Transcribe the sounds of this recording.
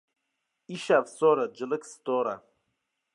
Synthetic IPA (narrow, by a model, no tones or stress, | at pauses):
iʃavsoɾad͡ʒɨlɨkst̪oɾa